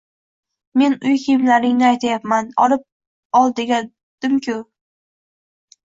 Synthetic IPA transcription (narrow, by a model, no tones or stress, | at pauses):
me̞nʊjkʲʰijɪmlaɾɪŋnɪajt̪ʰajapmanɒ̰lɪp̚ | ɒlˠd̪ɪɡʲa | d̪̥ɪmkʲʰʊ